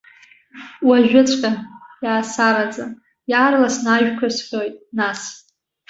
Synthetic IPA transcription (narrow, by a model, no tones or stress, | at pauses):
waʒᶣʷʊt͡sʷʰʼkʲʼajaːsaɾad͡zʼa | jaːrlasnaʒᶣkʷʰasħʲʷojtʼnas